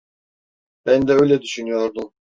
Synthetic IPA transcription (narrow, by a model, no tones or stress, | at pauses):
b̥ænd̪ɛø̞jlʲɛd̪yʃynyjo̞ɾd̪um